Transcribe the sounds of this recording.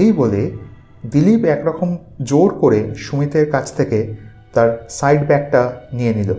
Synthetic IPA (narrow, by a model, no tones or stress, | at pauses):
ejbole | d̪ilipɛkɾɔkʰom | d͡ʑoɾkoɾeʃumit̪eɾkat͡ɕʰt̪ʰeke | t̪aɾsajɖbɛk̚ʈanijenilo